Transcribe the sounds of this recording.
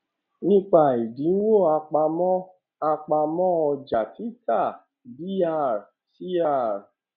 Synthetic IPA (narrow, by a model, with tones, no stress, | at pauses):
nĩ˦k͡pa˦˨i˨dĩ˨˦n̩˦wo˦˨a˧k͡pa˧mɔ̃˦ | a˧k͡pa˧mɔ̃˦ɔ˧d͡ʒa˨ti˨˦ta˦˨ | bi˦a˦˨ɾ | si˦a˦˨ɾ